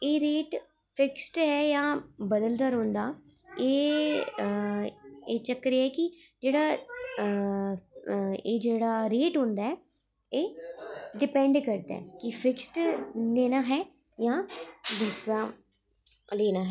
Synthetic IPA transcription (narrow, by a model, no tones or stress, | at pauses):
eːɾeːʈ | pʰɪksʈɦɛːjãːbəd̪əld̪aːɾõːnd̪aː | eː | eːt͡ʃəkɾeɛːkɪd͡ʒeːɽaː | eːd͡ʒeːɽaːɾeːʈɦõːnd̪aːɛː | eːɖɪpɛ̃ːɳɖkəɾd̪a̰ɛːkɪpʰɪksʈleːnaːɦɛː | jãːd̪ʊsɾaː | leːnaːɦɛː